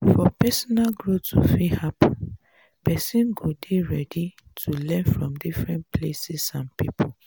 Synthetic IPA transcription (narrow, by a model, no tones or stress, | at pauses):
fɔpɛsɔnalɡɹotufihap | pɛsĩnɡodeɹɛditʰulɛ̃nfɹɔ̃mdifɹɛ̃npʰlesisãnpipʰo